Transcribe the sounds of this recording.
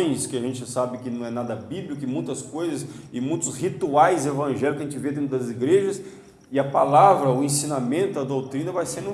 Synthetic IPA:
j̃skɪɐʒẽnt͡ʃɪsabɪkɪnɐ̃w̃ɛnad̪ɐbiblikʊɪmũj̃t̪ɐskojzɐs | ɪmũj̃t̪ʊshit̪uajzevɐ̃ʒɛljʊkɐʒẽnt͡ʃɪved̪ẽnɾd̪ɐziɡɾeʒɐs | ɪɐpalavɾɐʊẽsĩnamẽnt̪ʊɐd̪owt̪ɾĩnɐvajsẽnd̪ʊ

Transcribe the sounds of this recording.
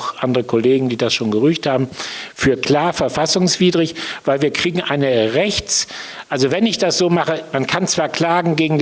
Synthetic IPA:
ʔandəʁəkʰɔleːɡŋ̩diːdasʃoːnɡəʁʏçthaːbm̩fyːɐkl̥aːɐfɛɐfasʊŋsv̥iːdʁɪçvaɪlviːɐkʁ̥iːɡŋ̩ʔaɪnəʁɛçt͡sʔalzovɛnɪçd̥asz̥oːmaχəmankʰant͡sv̥aːɐkl̥aːɡŋ̩ɡeːɡŋ̩

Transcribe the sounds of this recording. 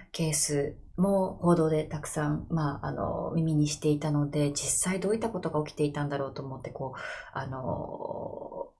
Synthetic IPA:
ke̞ːsɨ | mo̞ho̞ːd̪o̞ːd̪e̞t̪akɯ̟̥sãɴmaa̰no̰mʲimʲiɲ̟iɕi̥t̪e̞it̪ano̞d̪e̞d͡ʑisaid̪o̞ːit̪ːako̞t̪o̞ɡaokʲi̥t̪e̞it̪ãnd̪aɾo̞ːt̪o̞ːmo̞t̪ːe̞ko̞ːano̞̰

